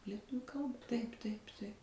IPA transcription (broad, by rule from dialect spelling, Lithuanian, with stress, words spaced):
lʲiɛˈtʊ ˈkɐlˠbɐ ˈtɐɪp tɐɪp tɐɪp